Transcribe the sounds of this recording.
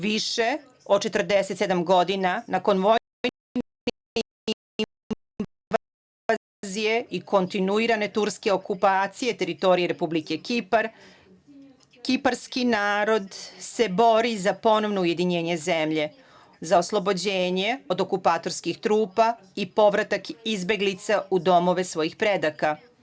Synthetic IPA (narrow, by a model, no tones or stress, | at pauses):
ʋiʃe̞ | ot͡ʃe̞t̪ər̩d̪eset̪sed̪amɡo̞d̪inanako̞nʋo | a | zije̞iko̞nt̪inuiɾane̞t̪uɾske̞o̞kupaːt̪sije̞t̪e̞ɾit̪o̞ɾije̞ɾe̞publike̞kipaɾ | kipaɾskinaːɾo̞d̪se̞bo̞ɾizapo̞no̞ʋnouje̞d̪iɲe̞ːɲe̞zemʎe̞ | zao̞slˠo̞bo̞d͡ʑeːɲe̞o̞d̪o̞kupaːt̪o̞ɾskixt̪ɾuːpa | ipo̞ʋɾat̪akizbe̞ɡlit̪saud̪o̞mo̞ʋe̞sʋo̞jixpɾe̞d̪aka